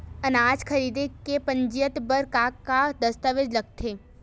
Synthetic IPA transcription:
ɐnaːd͡ʒkʰəɾiːd̪ekepə̃ɲd͡ʒijət̪bəɾkaːkːad̪ɐst̪əʋed͡ʒlɐɡ̚t̪ʰeː

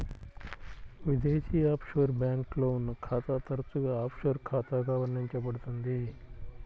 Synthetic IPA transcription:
ʋid̪eːʃiːaːpʂʋɐɾbjaːŋkloːunːɐkʰaːt̪aːt̪ɐɾɐt͡suɡaːaːpʂɐɾkʰaːt̪aːɡaːʋɐɾɳiɲt͡ʃɐbɐɽut̪und̪i

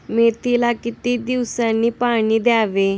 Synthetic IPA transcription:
met̪ilakit̪id̪iwsanːiːpaɽ̃iːd̪jaʋe

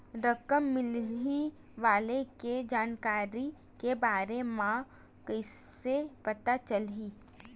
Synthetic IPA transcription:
ɾəkəmːɪli | ʋaːleked͡ʒaːnkaːɾi | kebaːɾemã | kəɪsepɐt̪at͡ʃəlɦiː

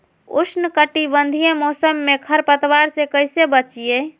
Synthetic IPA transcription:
ṵsʰnəkəʈibənd̪ʱijẽmɔːsəmːekʰəɾpət̪waɾsekəɪsebət͡ʃije

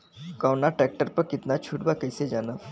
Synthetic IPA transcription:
kawnaʈɾɛk̚ʈəɾpɐɾkɪt̪nat͡ʃʰuʈbakəjsed͡ʒaːna

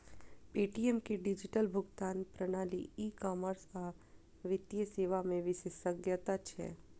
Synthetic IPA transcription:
piʈiemkeɖid͡ʒiʈəlbʱʊɡt̪anpɾəñaliːkɔməɾsa | ʋɪt̪jəseʋamẽʋɪʃesəɡjət̪at͡ʃʰḛ

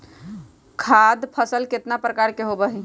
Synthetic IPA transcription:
kʰad̪pʰəsəlket̪napɾəkaɾkeɦobəɦɛ

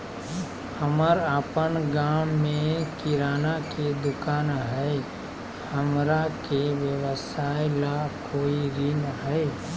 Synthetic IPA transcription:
həməɾaːpənɡaːmːẽkɪɾaːnaked̪ʊkaːnɦɛe | həmɾakeʋjəwəsaːejlakoːiɾɪnɦɛ

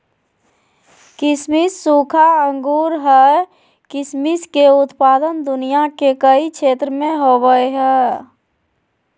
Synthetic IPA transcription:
kɪsmisːukʰaə̃ŋɡuːɾɦɛ | kɪsmiskeʊt̪paːd̪ənd̪ʊnijakekəikʰeːt̪ɾəmẽɦobəeɦɛ

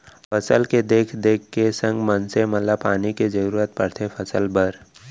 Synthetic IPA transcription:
pʰəsəlked̪eːkʰd̪eːkʰːesə̃ŋɡmənsemət̪ləpaːniked͡ʒəɾuːɾət̪̚pəɽt̪ʰepʰəsəlbəɾ

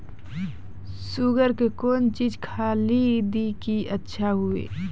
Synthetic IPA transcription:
suɡəɾkekoːnt͡ʃiːd͡ʒkʰaːlid̪ikiətːʃʰaɦʊḛː

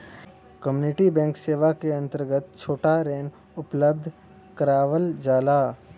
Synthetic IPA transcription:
kəmjuːnɪʈibɛ̃ːŋkseːʋakeɐ̃nt̪əɾɡət̪̚t͡ʃʰoːʈaɾeːn | ʊpləb̚d̪ʱ | kəɾaːʋəld͡ʒaːlaː

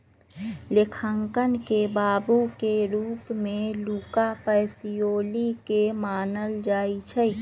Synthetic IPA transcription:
lɪkʰəŋkənkebaːbukeɾuːpmẽluːkapəɪsijoːlikemaːnəld͡ʒaːit͡ʃʰɛi

